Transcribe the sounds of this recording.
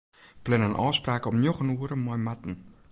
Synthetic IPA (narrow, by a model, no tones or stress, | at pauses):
plɪnənʔɔːspraːkəɔmnjoχənuəɾəmːɔjmatn̩